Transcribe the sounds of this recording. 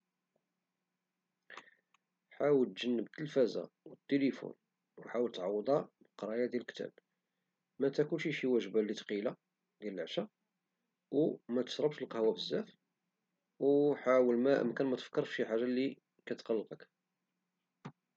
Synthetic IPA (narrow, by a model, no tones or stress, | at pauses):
ħawəlt̪ʒənːəbt̪əlfæza̰wət̪ːelifṵn | wħawəlt̪ʕɑwːd̪ˤɑbəqɾˤɑjad̪jælkt̪æ̰b | mæt̪ækunʃiʃiwæʒbalːit̪qila | d̪jæləlʕʃæ | wmæt̪ə̥ʃɾˤɑbʃəlqɑhwæfəzːæf | wħawəlmæʔə̰mkænmæt̪ə̥fkːəɾˤfʃiħaʒalːi | kæt̪qɑlːqək